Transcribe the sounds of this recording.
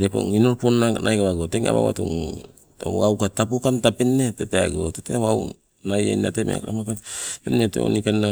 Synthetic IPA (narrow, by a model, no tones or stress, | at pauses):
ɾepo̰ŋinoɾponːaknʔajkaβaɡoteŋa̰βa̰wa̰tṵŋ | oawkatapokantapenːetetea̰ɡotetewaw | naja̰jnatemea̰kɾa̰makatpenːetḛo̰nikanːa